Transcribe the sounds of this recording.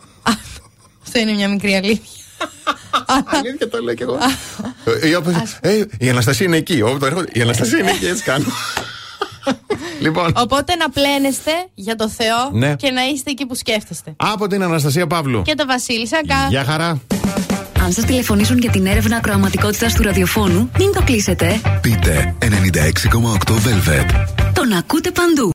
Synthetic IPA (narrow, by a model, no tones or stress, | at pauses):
ɐ | ɐft̪oinemɲɐmikɾiɐliθçɐ̥ | ɐiçɐt̪oleoce̞ɣo | ioposeiɐnɐst̪ɐsiɐineːciopt̪oeɾxod̪eiɐnɐst̪ɐsiɐineciet͡si̥kɐno | lipo̞no̞po̞t̪e̞nɐple̞ne̞st̪e̞ʝɐt̪o̞θe̞o̞nece̞nɐist̪eːcipusceft̪est̪e̞ɐpo̞t̪inɐnɐs̬t̪ɐs̬iɐpɐvlṵce̞t̪o̞vɐsilisɐŋkɐʝɐxɐɾɐ | ɐnsɐst̪ile̞fo̞nisunʝɐt̪ine̞ɾe̞vnɐːkɾo̞ɐmɐt̪iko̞t̪it̪ɐst̪uɾɐðio̞fo̞numint̪o̞klise̞t̪e̞pit̪e̞̰ene̞nind̪ɐ̰e̞ksiko̞mɐokt̪o̞velvḛt̪t̪o̞nɐkut̪e̞pɐnd̪u